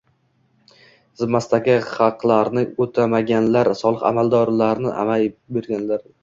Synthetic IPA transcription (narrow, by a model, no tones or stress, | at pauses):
z̥ɪmːast̪aɡʲɪχɑqlˠaɾnɪot̪ʰamaɡʲanlaɾsɒlˠɨqa̰malˠd̪ɒɾlaɾnɪʔa̰majbe̞ɾɡʲanlaɾ